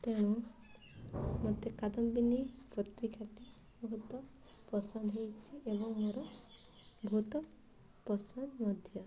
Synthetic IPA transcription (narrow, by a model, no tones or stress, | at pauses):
t̪eɽ̃u | mɔt̪ekad̪ɔmbinipɾɔt̪ɾikʰaʈi | mɦut̪wɔ | pɔsɔnd̪ɦejt͡ʃʰiʔebɔŋmoɾɔ | bʱut̪ɔ | pɔsɔnmɔd̪ʱjɔ